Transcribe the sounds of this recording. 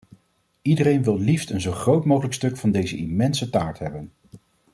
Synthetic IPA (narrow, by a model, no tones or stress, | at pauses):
idərejnʋɪlˠliftənzowχrowtmowχələkstɵkfɑndejzəʔimɛnsətaːɹtɦɛbən